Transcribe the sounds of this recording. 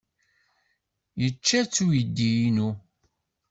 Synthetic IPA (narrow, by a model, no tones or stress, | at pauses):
jət͡ʃːæt͡sːujəd̪ːijinu